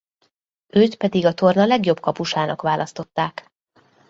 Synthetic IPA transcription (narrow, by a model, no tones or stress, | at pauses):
øːt̪pɛd̪iɡɒt̪o̞rnɒlɛɡjo̞bkɒpuʃaːnɒ̰kʋaːlʔɒst̪o̞t̪ːaːk